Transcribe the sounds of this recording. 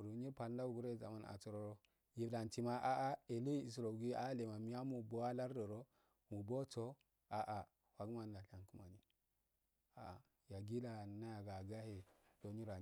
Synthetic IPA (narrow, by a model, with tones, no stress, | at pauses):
ɾu˨˦ɲi˦pa˨n˦da˦u˦ɡu˦ɾe˦za̰˨ma˦na̰˨t͡so˨ɾo˨˦ɾo˦ | ji˨da˨nti˨ma˦ʔa˦ʔa˦e˨li˦i˨s̬ɾo˨ɡi˦a˦le˨ma˨mi˦a˦mu˨bo˦wa˦la˦ɾdo˨ɾo˦ | mu˨bo˦t͡so˦ | a˨ʔa˨ | wa˨ɡma˨nda˨ɬa˨nku˦ma˨ɲi˨ | a˨ | ja˨ɡi˦la˨na˦ja˨ɡa˨ɡa˦he˨do˨˦ɲi˦ɾa˨